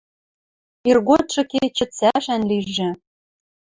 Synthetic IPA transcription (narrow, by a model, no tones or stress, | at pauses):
irɣot̪ʃɤ̆ket͡ɕɘ̆t͡sæʃænliʒːɘ̆